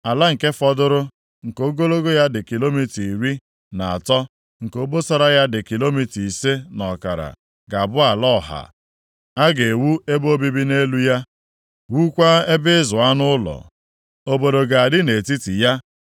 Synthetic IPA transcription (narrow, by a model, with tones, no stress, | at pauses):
a˨la˦ŋ̩˨ke˦fɔ˦dʊ˦ɾʊ˦ | ŋ̩˨ko˦ɡo˦lo˦ɡo˦ja˦dɪ˨ki˨lo˦mi˨ti˨ɾi˦ | na˨a˨tɔ˦ | ŋ̩˨ko˦bo˦sa˦ɾa˦ja˦dɪ˨ki˨lo˦mi˨ti˨se˦nɔ˨ka̰˨ɾa̰˨ | ɡa˨bʊ˦a˨lɔ˦˨ɦa̰˨ | a˦ɡe˨wu˦e˦bo˦bi˦bi˦ne˦lu˦ja˦ | wu˦kʷa˦e˦bɪ˦zʊ˨a˦nʊ˦ʊ˦lɔ̰˨ | o˦bo˨do˨ɡa˨a˨dɪ˦ne˨ti˦ti˨ja˦